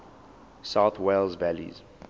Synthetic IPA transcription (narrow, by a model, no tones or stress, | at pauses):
saʊθweɪlzvælḭz̥